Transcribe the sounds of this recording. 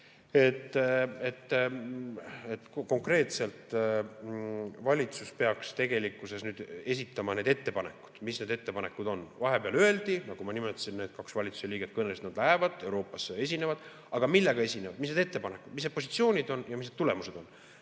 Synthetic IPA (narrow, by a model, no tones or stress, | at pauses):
e̞t̪ːˑet̪ːˑ | et̪ːko̞ŋkre̞ːt̪se̞lt̪ | vɑlʲit̪suspe̞ɑkst̪e̞ɡ̥e̞likˑːuse̞snyːd̪̥e̞s̬it̪ːˑɑmɑne̞ːd̪e̞t̪ːe̞pɑne̞̰kːu̥d̪̥misne̞d̪e̞t̪ːe̞pɑne̞kːˑud̪̥o̞nvɑɦe̞peɑløeld̪̥inɑɡ̥umɑnimet̪ːˑɑ̥sinneːd̪̥̚kɑksvɑlʲit̪su̥se̞liːɡ̥et̪kɤnelst̪nɑd̪̥læɦevɑd̪̥e̞wɾo̞ːpˑːɑsee̞s̬ʲine̞vɑd̪̥ | ɑɡ̥ɑmilːeɡ̥ɑe̞sʲinevɑd̪̥misned̪e̞t̪ːe̞pɑnekːˑud̪̥misned̥̪̚posit̪sio̞ːnʲid̪o̞njɑmisned̪t̪ule̞muse̞d̪̥o̞nː